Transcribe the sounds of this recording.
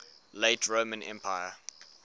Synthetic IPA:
leɪtʰɹoʊmə̃nʔɛ̰̃mpʰaɪə

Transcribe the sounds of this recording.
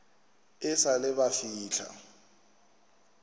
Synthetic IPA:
ɪsalɪbafiːɬʰa̰

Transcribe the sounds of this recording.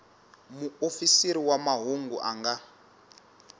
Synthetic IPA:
muofisiɾiwamaɦuŋɡuʔa̰ŋɡa

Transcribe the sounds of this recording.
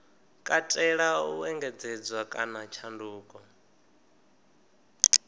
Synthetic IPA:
kʼatʼɛɺauɛŋɡɛd͡zɛd͡zwakʼanat͡ʃʰanduːkʼɔ

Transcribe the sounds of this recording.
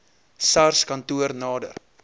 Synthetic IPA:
sarskɐntuərnɑːdə̰r

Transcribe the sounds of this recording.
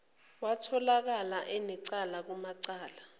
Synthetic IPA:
watʰɔlak̬alaʔɛnɛǀalak̬umaǀaːla

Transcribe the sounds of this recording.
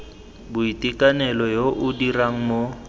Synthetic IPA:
bʊitʼikʼanɛlɔjoʔʊdiraŋ̩mo

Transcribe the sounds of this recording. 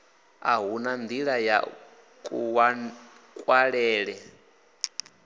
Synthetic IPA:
aɦunand̪iɺaja̰ | kʼuwa | kʼwaɺɛːɺɛ

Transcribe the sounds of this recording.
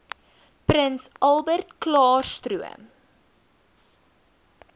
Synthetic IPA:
pɾənsʔɐlˠbərtklɑːrstɾuə̰m

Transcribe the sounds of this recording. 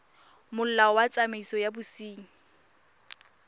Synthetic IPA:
mʊl̩lawat͡sʼameisɔjabʊsiːŋ̩

